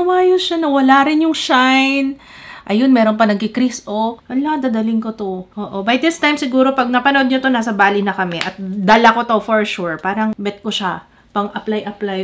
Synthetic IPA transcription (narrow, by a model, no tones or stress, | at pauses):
nɐwaːjoʃanɐwɐlaːɾɪnjʊŋʃajn | ʔɐjo̞nmɛːɾo̞npɐnɐɡ̚kɪkɾisʔowɐlad̪aːd̪ɐlɪŋkot̪oʔoːʔo̞bɐjd̪ɪst̪ajmsɪɡuːɾo̞pɐɡ̚nɐpɐnʔod̪ɲot̪o̞naːsɐbaːlinɐkɐmɛʔɐt̪̚d̪alɐko̞t̪ofoɹʃuɹpaːɾɐŋbɛt̪̚koʃa | pɐŋʔɐplajʔɐplaj